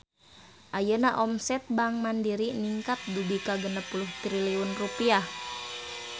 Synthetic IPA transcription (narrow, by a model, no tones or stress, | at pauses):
ʔajənaʔɔmsɛt̪̚baŋmandiɾiniŋkat̪̚dubikaɡənəpuluht̪ɾiliɔnrupiah